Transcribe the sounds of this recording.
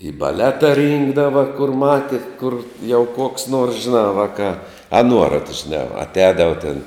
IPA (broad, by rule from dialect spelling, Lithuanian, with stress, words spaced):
iː bɐˈlʲæːtɐ ˈrʲiːŋɡdɐʋɐ kʊr ˈmɑːtʲɪ kʊr jɛʊ koːks noːrs ʒʲɪˈnɑː ˈʋɑːkɑː ɐ ˈnuɔrɐt ʒʲɪˈnɑː ɐtʲˈɛːdɐʋɐ tʲeːn